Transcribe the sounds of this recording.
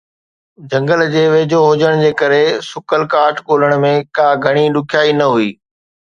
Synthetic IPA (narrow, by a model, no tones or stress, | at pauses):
d͡ʑʱɐ̃ŋɡəld͡ʑeːʋeːd͡ʑoɦʊd͡ʑəɽ̃d͡ʑeːkɐɾesʊkəlkaːʈkoːləɽ̃̆mẽkaːɡʱɐɽ̃iɗʊkʰjaːinɐɦuiː